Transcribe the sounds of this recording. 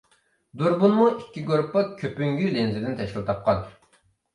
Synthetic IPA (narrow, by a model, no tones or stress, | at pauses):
d̪uɾbunmuikʲːiɡoɾpːɑkʲʰøpyŋɡʲylenzɪd̪ɪnt̪ʰɛʃkʲilˠt̪ʰɑp̚qɑn